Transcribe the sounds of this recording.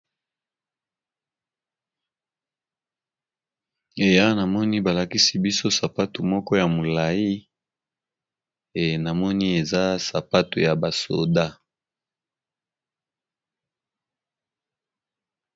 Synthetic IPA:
e˨ja˦na˨mɔ˦ni˦ba˨la˨ki˦si˨bi˦so˦sa˨pa˦tu˨mɔ˦kɔ˦ja˨mo˨la˨ji˦ | e˨na˨mɔ˦ni˦e˨za˦sa˨pa˦tu˨ja˨ba˨so̰˨da˦

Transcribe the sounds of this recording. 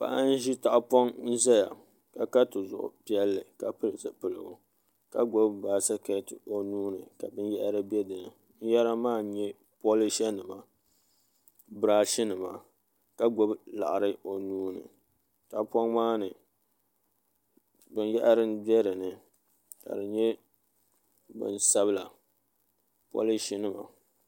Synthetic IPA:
pa̰˦˨ʔa˦n̩˦ʒi˦ta˦ʔpɔ˦ŋn̩˦za˦ja̰˨ | ka˨ka˦tɨ˨zʊ̰˨ʔʊ̰˨pi˦ɛ˦lːɨ˨ka˦pɨ˦lsɨ˨pɨ˨lɨ˨ɡʊ˨ | ka˦ɡo˦bbaː˨˦sa˦ke˨˦tɨ˨o˦nuː˦nɨ̰˨ka˨bɨ˦njɛ˦ʔa˦ɾɨ˦bɛ˦dɨ˨nɨ˨ | n̩˦jɛ˦ɾa˦maː˦ɲɛ˦ | po˦li˦ʃɛ˦nɨ˨ma˨ | bɾaː˦ʃɪ˦nɨ˨ma̰˨ | ka˦ɡo˦bla̰˨ʔa˨ɾɨ˦o˨nuː˦nɨ̰˨ | ka˨pɔ˦ŋmaː˦nɨ˨ | bɨ˨njɛ˦ʔa˦ɾɨ˦nbɛ˦ɾɨ˨nɨ˨ | ka̰˨dɨ˨ɲɛ˦ | bɨ̰˨nsa˦bla˨ | po̰˦lɪ˦ʃɪ˦nɨ˦ma̰˨

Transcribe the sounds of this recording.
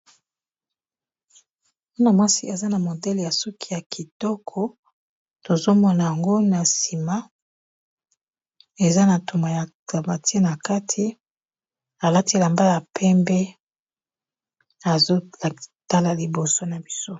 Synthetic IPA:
u˦na˨mwa˦si˦e˨za˦na˨mo˨dɛ˦le˨ja˨sɔ˦kʰi˦ja˨kʰi˨tɔ˦kʰɔ˦ | to˨zo˦mɔ˦na˨ja˨ŋɡo˦na˨si˨ma˦ | e˨za˦na˨to˨ma˨ja˨ | a˨ba˨ti˦e˦na˨ka˦tʰi˨ | a˨la˦ti˦˨la˨mba˦ja˨pʰɛ˦mbɛ˦ | a˨zo˦˨ta˦la˨li˨bo˨so˦na˨bi˦so˦

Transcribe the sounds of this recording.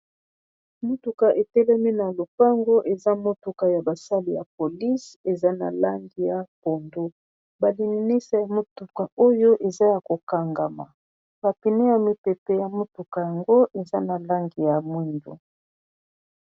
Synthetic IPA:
mo˦tu˨ka˨ʔe˨tɛ˦lɛ˦mi˦na˨lo˨pa˦ŋɡo˦ʔe˨za˦mo˦tu˨ka˨ja˨ba˨sa˦li˨ja̰˨po˨li˦se˨za˦na̰˨la˦ŋɡi˨ja˨po˨ndo˦ | ba˨li˨ni˨ni˦sa˨ja˨mo˦tu˨ka˨o˦jo˦ʔe˨za˦ja˨ko˨ka˨ŋɡa˨ma̰˨ | b̥a˨pi˨ne˦ja˨mi˨pe˨pɛ˨ja˨mo˦tu˨ka˨ja˨ŋɡo˦ʔe˨za˦na˨la˦ŋɡi˨ja˨mwi˦ndo̰˨

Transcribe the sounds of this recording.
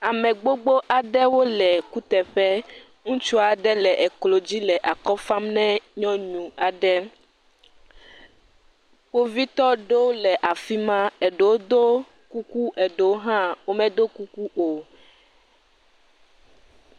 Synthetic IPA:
a˨mɛ̃˨ɡ͡bo˦ɡ͡bo˦ʔa˨ɖɛ˦wo˦lɛ˨ku˦t̪ɛ˨ɸɛ˦ | ŋũ˦t͡ʃu˦a˨ɖɛ˦lɛ˨ʔɛ˨klo˨d͡ʑi˦lɛ˨ʔa˨kɔ˦fã˦mnɛ̃˦ɲɔ̃˦ɲũ˨a˨ɖɛ˦ | ɸo˦vi˦t̪ɔ˦ɖo˦lɛ˨ʔa˨fi˦mã˦e˨ɖe˨wo˦d̪o˦ | ku˦ku˦ʔe˨ɖe˨wo˦ɦã˦wo˦mɛ̃˦d̪o˦ku˦ku˦o˨

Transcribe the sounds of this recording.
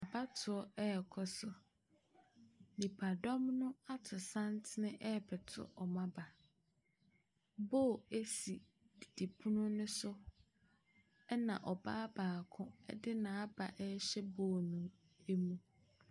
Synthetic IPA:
a˨ba˦tʰʊ˨ɔ˦ɛ˦ɛ˨kʰɔ˦sʊ˦ | nĩ˨pʰa˨dɔ˦mnʊ̃˦a˦tʰʊ˨sã˦ntʰɪ˦nɪ̃˦ʔɛ˦˨pʰɛ˨tʰʊ̰˦ʔɔ˨mã˦ba˨ | boː˦˨e˦si˨ | di˨di˨pʰu˦nʊ̃˦nʊ̃˦sʊ˦ | ɛ˦nã˨ʔɔ˨baː˦baː˨a˨kʰʊ̃˦ɛ̰˦dɪ˦nã˨a˦ba˨ʔɛ˦ɕɛ˦boː˦˨nʊ̃˨ | e˦mũ˦

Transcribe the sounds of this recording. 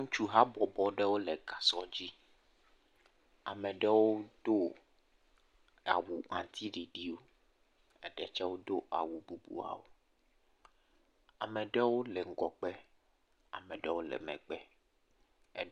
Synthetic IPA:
ŋũ˦t͡ʃu˦ɦa˦bɔ˨bɔ˨ɖɛ˦wo˦lɛ˨ɡa˨sɔ˦d͡ʑi˦ | a̰˨mɛ̃˨ɖɛ˦wo˦d̪̥o˦ | a̰˨wu˨ŋã˨t̪ʰi˦ɖi˨ɖi˦wo˦ | ɛ˦ɖɛ˦t͡ʃɛ˦wo˦d̪o˦ʔa̰˨wu˨bu˦bṵ˨a̰˨wo̰˨ | a̰˨mɛ˨ɖɛ˦wo˦lɛ˨ŋ̩˦ɡɔ˨k͡pɛ˦ | a̰˨mɛ̃˨ɖɛ˦wo˦lɛ̰˨mɛ̰̃˨k͡pɛ˦ | ɛ˦

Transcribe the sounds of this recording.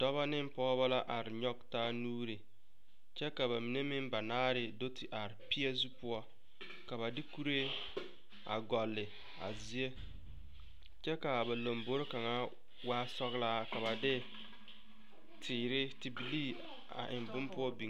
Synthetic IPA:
dɔ˦βa˦nɪ˦m˦pɔː˦βa˦la˦ʔa˨ɾɪ˨ɲɔ˦ɡ̚ta˦nuː˦ɾe˨ | t͡ʃɛ˦ka˨βa˨mi˨ne˦mɪ˦mba˨naː˦ɾɪ˨do˦tʰi˨ʔa˨ɾɪ˨pi˦ɛ˦zu˦pʊ˦ɔ˦ | ka˨βa˨dɪ˦ku˦ɾe˦ | a̰˨ɡɔ˨lːɪ˨ | a̰˨zi˦e˦ | t͡ʃɛ˦ka˨ba˨lo˨mbo˦ɾka˨ŋa˦ | waː˦sɔ˦ɣla˦ka˨βa˨dɪ˦ | tʰɪː˨ɾɪ˦ti˨bi˨li˦ | a̰˨ʔɪ˨mbʊ˦mpʊ˦ɔ˦bi˨˦

